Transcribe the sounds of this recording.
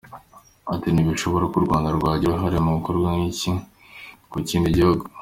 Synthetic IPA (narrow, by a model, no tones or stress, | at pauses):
atiniβiʃo̞βo̞ɾakuɾɡwaːndaɾɡwaːɟiɾaɦaɾimuβikoɾɡwanŋici | kuciːndiɟihuɡo